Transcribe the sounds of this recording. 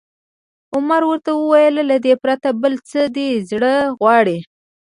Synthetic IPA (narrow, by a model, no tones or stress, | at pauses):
ʊmaɾwəɾt̪awəwajəllad̪epɾat̪abəlt͡səd̪ezɽəɣwɑɽi